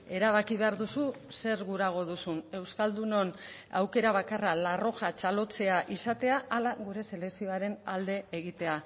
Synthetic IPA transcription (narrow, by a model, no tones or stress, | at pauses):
e̞ɾaβakiβe̞aɾðusu | se̞ɾɣuɾaɣ̞o̞ðusune̞wskald̪uno̞na̰wke̞ɾaβakaralaro̞ʝat͡ʃalo̞t͡se̞aʔisat̪e̞aʔalaɣuɾe̞se̞le̞ksio̞aɾe̞nald̪e̞eɣit̪e̞a